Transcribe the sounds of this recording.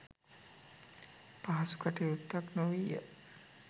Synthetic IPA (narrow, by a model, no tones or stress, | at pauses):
paɦɐsu̥kaʈeut̪ːaknoʋijə